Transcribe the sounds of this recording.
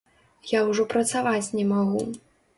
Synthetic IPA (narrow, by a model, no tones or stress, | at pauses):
jawʐɔpɾɐt̪savat͡sʲnʲɛmaɣu